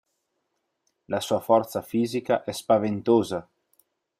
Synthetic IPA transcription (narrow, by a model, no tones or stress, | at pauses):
lasuːafɔrt̪safiːzikaʔɛspavent̪oːza